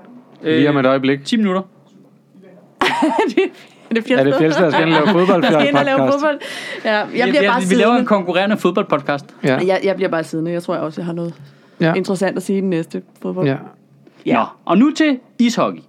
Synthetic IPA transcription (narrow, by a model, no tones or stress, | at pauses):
øimed̥ɒ̽ɪb̥leɡ̥t͡sʰḭːminuɾ̥ɐ | d̥ | d̥efjedeeldsɡenlɛːʊoðbɒl̰enlɛːʊfoðˠb̥ɒ̽l̰d̥jæjɑ̈liɐ̥ɑ̈ʋilɛːʊɐenkʰɒ̽ŋkʰuʁɛ̰ːɐnəfoðb̥ɒ̽l̰̥pʰɒ̽d̥̚kʰɑ̈ːsd̥jɑɪjɑ̈ɪbliɐb̥ɑ̈ːsið̞ˠnəjɑ̈ɪt͡sʰo̝ɐ̰jaɒ̽sjɑɦɑ̈nɔ̽ːð̩ˠ | e̝nd̥ʁəsæn̰d̥æsiːd̥enesd̥əfoð̞ˠb̥ɒ̽ | jnɒʔɒ̽nut͡sʰe̝ | ishɒɡ̥i